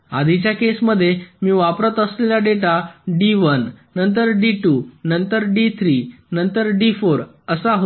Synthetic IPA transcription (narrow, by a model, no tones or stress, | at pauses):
a̰d̪ʱit͡ɕjakesməd̪ʱːjemiːʋapɾət̪əsleljaɖeʈaɖiʋənːənt̪əɾɖiʈunənt̪əɾɖit̪ʰɾi | nənt̪əɾɖifoɾ | əsaɦo